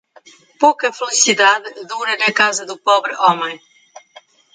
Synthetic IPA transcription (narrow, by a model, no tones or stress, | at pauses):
pokɐfɪlisiðaðɨðuɾɐnɐkazɐðupɔβɾɨʔɔmẽj̃